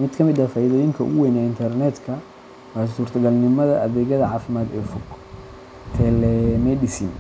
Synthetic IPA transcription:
mɪd̪kʰɐmɪd̪ɐfaːiðɔːjɪŋkʰɐʔʊwɛjnɛɪnt̪ʰɐrnɛd̪kʰɐ | wasuːrt̪ʰɐɡɐlnɪmɐðɐʔɐðɛːɣɐðɐʕɑːfɪmaːd̪ɛːfɔɡ | t̪ʰɛlɛmɛjɗɪsiːn

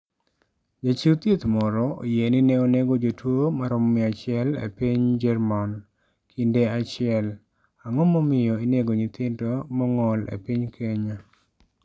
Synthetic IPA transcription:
d͡ʒat͡ʃit̪jet̪mɔɾɔo̰jenɪnɛoneɡod͡ʒotwomaɾɔmːɪat͡ʃɪɛlḛpiɲd͡ʒɛɾman | kʰindeat͡ʃɪɛl | aŋɔmɔmɪjɔineɡoɲit̪ɪndomɔŋɔlḛpiɲkʰeɲa

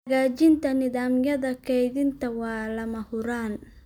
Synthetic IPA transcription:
ɣaːt͡ʃɪnt̪ʰɐnɪðaːmjɐðɐkʰɛjðɪnt̪ʰɐwɑːlɐmɐhʊɾaːn

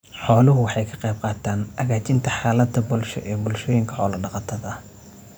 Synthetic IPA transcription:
ħɔːlʊɦʊwɑħɑjkʰɐ̥qɛjb̚qɑːt̪ʰaːnʔɐɣaːt͡ʃɪnt̪ʰɐħɑːlɐt̪ʰɐbɔlʃɐ̰ʔɛːbʊlʃɔːjɪŋkʰɐ̥ħɔːlɐɖɑqɑt̪ʰɐðɐ

